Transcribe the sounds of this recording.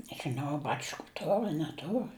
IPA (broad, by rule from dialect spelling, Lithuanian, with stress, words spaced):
nʲɛʒʲɪˈnɐʊ ɐ ˈbɑːt͡ʃkʊ ˈtoːr ɐ nʲɛˈtoːr